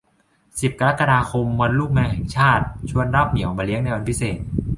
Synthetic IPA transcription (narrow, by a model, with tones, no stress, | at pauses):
si˨˩p̚ka˧ɾa˦˥kːa˧daː˧kʰo˧mːwa˧nluː˥˩k̚mɛː˧ŋɦɛ˨˩ŋt͡ɕʰaː˥˩t̪̚t͡ɕʰu˧ənɾa˦˥˩p̚mni˨˩˦wmaː˧li˦˥əŋna˧jwa˧npʰi˦˥seː˨˩t̪̚